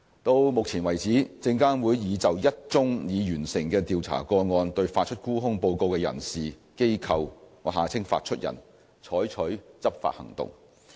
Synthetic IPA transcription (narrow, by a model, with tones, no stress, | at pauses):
t̪o˧wmʊ˨k̚t͡sʰiː˨˩nwɐ˨˩jt͡siː˨˥t͡sɪ˧ŋkaː˥nwuː˨˧jːiː˨˧t͡sɐ˨wjɐ˥t̚t͡sʊ˥ŋjiː˨˧jyː˨˩nsɪ˨˩ŋkɛː˧t̪iː˨wt͡sʰa̰ː˨˩kɔː˧ŋɔː˧nt̪ɵ˧ɥfaː˧t̚t͡ʃʰɵ˥t̚kuː˥ɦʊ˥ŋpo˧wko˧wkɛː˧jɐ̰˨˩nsiː˨˩ | ke˥jkʰɐ˨wŋɔː˨˧ɦaː˨t͡sʰɪ˥ŋfa̰ː˧t̚t͡ʃʰɵ˥t̚jɐ̰˨˩n | t͡sʰɔː˨˥jt͡ʃʰɵ˨˥ɥt͡sɐ˥p̚fa̰ː˧t̚hɐ̰˨˩ŋt̪ʊ̰˨ŋ